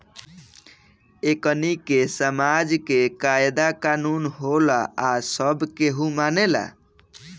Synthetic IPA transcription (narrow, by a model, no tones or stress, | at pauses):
ekənikesəmad͡ʒkekaed̪akanunɦolaasəbkeɦũmanela̰